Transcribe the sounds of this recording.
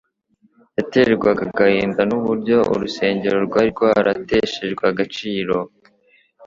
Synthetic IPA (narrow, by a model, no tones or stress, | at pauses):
jateɡwaɡaɡahiːmbanuβuɾɟo̞ʔṵɾuse̞ːɲɟe̞ɾo̞ɾɡwaːɾɡwaːɾate̞ʃeʒɡwaɡat͡ʃiːɾo̞